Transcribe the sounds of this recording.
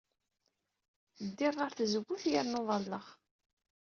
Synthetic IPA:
θəd̪ːɪʁˤːaɾθzəɡʷːʊθjaɾnoðˤɑlːəʁ

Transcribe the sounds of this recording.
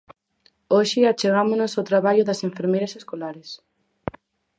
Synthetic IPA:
oʃɪat͡ʃeɣamonosawt̪ɾaβaʎʊðɐseɱfeɾmejɾaseskolaɾes

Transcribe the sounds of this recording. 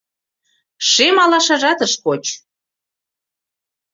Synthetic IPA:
ʃemɑlɑʃɑʒɑt̪əʃkot͡ɕ

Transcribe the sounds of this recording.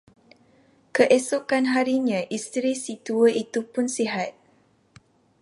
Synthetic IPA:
kəʔesokanɦaɾiɲãʔist̪ɾisit̪uəit̪upʊnsiɦat̪̚

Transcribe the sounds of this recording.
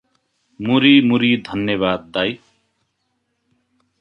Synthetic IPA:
muɾimuɾid̪ʱʌnjʌβaːd̪̚ːaj

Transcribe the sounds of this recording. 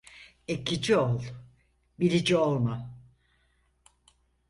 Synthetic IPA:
ecʰid͡ʒiolˠ | biɾid͡ʒiolˠma

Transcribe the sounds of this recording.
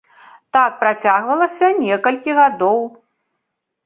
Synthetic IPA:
t̪ak̚pɾat͡sʲaɣvɐlˠɐsʲɐnʲɛkɐlʲkʲiɣad̪ɔw

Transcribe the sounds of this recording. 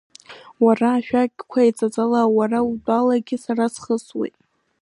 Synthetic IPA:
waraːʃᶣakʲʼkʷʰait͡sʼat͡sʼalawaraudʼalaɡʲɪsaɾasχəswḛjtʼ

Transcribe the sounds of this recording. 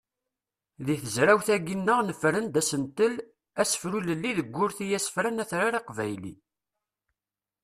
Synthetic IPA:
ðiθəzɾæwθæɡinːəʁnəfɾənd̪æsənt̪əl | æsə̥fɾuləlːiðəɡʷːʊɾθijæsə̥fɾænæθɾaɾiqvæjlḭ

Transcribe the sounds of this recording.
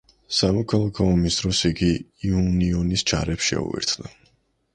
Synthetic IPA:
samɔkʰalˠakʰɔɔmisd̪ɾɔsiɡiːuniɔnist͡ʃʰa̰ɾɛpsʃɛ̰ṵḭɾt̪ʰna

